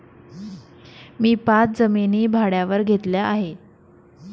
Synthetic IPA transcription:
miːpat͡s̪̚d͡zəminiːbʱaɽjaʋəɾɡʱet̪ljaʔaɦe

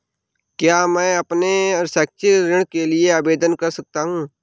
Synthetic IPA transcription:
kjaːmɛ̃ːɐpneɔɾsɛːk̚t͡ʃiɾɪɽ̃kelieaːbeːd̪ənkɐɾsɐk̚t̪aɦũː

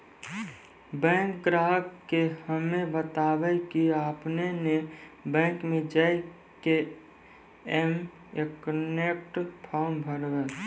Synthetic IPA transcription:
bɛ̃ːŋkɡɾaːɦəkːehəmebət̪aːwəkiaːpnenebɛ̃ːŋkmẽd͡ʒə | ke | ɛm | ekənek̚ʈpʰaːɾmbʱəɾwɛ

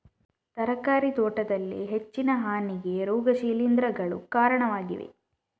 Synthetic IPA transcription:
t̪ɐɾɐkaːɾit̪oːʈɐd̪ɐlːḭɦet͡ʃːinɐɦaːniɡe̞ɾoːɡɐʃiːlind̪ɾɐɡɐɭṵkaːɾɐɳɐʋaːɡḭʋḛ

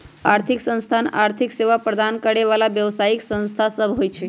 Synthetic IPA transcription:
aɾt̪ʰiksə̃w̃st̪ʰanaɾt̪ʰikseʋapɾəd̪ʱankəɽeʋalaʋjəʋsaiksə̃w̃st̪ʰasəbʱɦojt͡ʃʰe

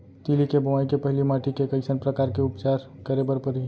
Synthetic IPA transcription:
t̪ilikebəʋaːikepəɦɪlimaʈʰikekəɪsənpɾəkaːɾkeʊpt͡ʃaːɾ | kəɾebəɾpəɾi

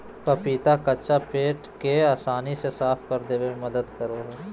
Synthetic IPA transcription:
pɐpiːt̪akɐt͡ʃapeːʈkeaːsaːnisesaːfkɐɾd̪eːwemɐd̪əd̪kɐɾoːɦː

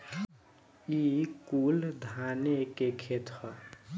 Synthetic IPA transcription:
ikuld̪ʱanekekʰet̪hɔ

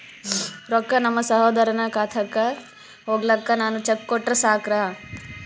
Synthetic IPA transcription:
ɾɔkːɐnɐmːɐsɐɦoːd̪ɐɾɐnɐkaːt̪ʰɐkːɐ | ɦoːɡlɐkːɐnaːnut͡ʃekːɔʈːɾɐsaːkɾɐ

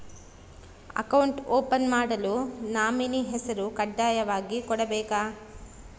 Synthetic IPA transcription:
ɐ̰kɐwɳʈoːpɐnmaːɽɐlunaːminiɦɛsɐɾukɐɖːaːjɐʋaːɡikɔɽɐbɛːkaː

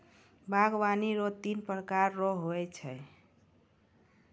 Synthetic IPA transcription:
baɡbaniɾot̪inpɾkaɾːɔɦoɛt͡ʃʰə

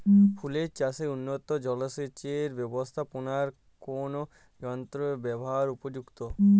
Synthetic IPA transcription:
pʰuleɾt͡ɕaseunːot̪od͡ʑɔloʃet͡ɕeɾbɛbost̪ʰaponaɾ | kono | jɔnt̪ɾobɛboɦaɾupod͡ʑukt̪o

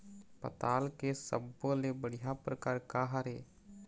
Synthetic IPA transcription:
pə̰t̪aːlkesə̰bːolebəɽ̤ijapɾəkaːɾkaɦaɾeː

